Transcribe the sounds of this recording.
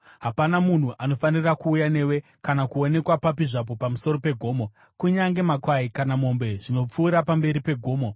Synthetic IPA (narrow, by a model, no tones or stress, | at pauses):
ɦapanamun̤uʔano̞fanirakuːjane̞we̞ | kanakuo̞ne̞kwapapiʐap̬o̞pamuso̞ɾo̞pe̞ɡʱo̞ːmo̞ | kuɲaŋɡe̞makwaikanamo̞mbe̞ʐino̞p͡fuːɾapambe̞ɾipe̞ɡʱo̞ːmo